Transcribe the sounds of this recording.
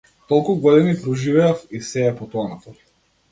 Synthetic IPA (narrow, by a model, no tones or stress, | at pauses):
t̪ɔlˠkuɡɔd̪inipɾɔʒivɛafisɛːpɔt̪ɔanɔt̪ɔ